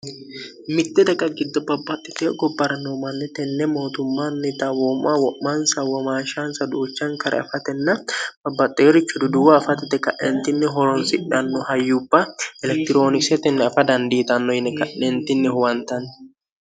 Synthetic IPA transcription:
mɪt̪ːɛd̪ɐkʼɐɡɪd̪ːɔbɐbːɐt̪ʼːɪt̪eːɡɔbːɐɾɐnːomɐnːɛt̪ɛnːɛmo̞ːt̪ʊmːanːɪt̪ɐwoːmʔawɔʔːansɐwɐmaːʃansɐd̪uːt͡ʃːɐŋkɐɾʔɐ̰ɐ̰fɐt̪ɛnːɐb̥ɐbːɐt̪ʼːeːɾɪt͡ʃːʊd̪ʊd̪ʊwɐːfɐt̪ːɪt̪ːɛkɐʔːɛnt̪ɪnːɪɦɔɾɔnsɪᶑɐnːɔhɐjːubːɐɛlɛk̚t̪ɪɾo̞ːnɪksɛt̪ɛnːɛɐfɐd̪ɐnd̪iːt̪ɐnːɔjɪnːɛkɐʔːɛnt̪ɪnːɪhɔwɐnt̪ɐn

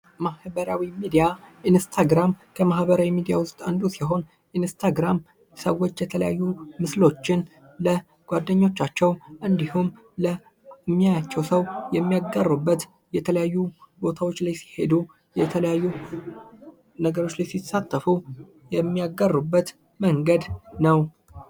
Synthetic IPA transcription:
mahbəɾawimid̪ijaʔinst̪ʰaɡɾamkʰəmahbəɾawimid̪ijawʊst̪ʼand̪usiɦo̞n | ʔinst̪ʰaɡɾam | səwo̞t͡ʃːjɛt̪ʰələja̰jːumɨslo̞t͡ʃːɪn | lə | ɡ̥ʷad̪ːəɲːo̞t͡ʃːat͡ʃːɛwʔɨnd̪ihum | lə | ɨmːijajat͡ʃːɛwsəwjɛmːijaɡərːubːət̪ | jɛt̪ʰələjajːubo̞t̪ʰawo̞t͡ʃːlajsi̥he̞d̪u | jɛt̪ʰələjajːu | nəɡəɾo̞t͡ʃːlajsisat̪ːəfu | jɛmːijaɡərːubːət̪ | məŋɡəd̪nəw

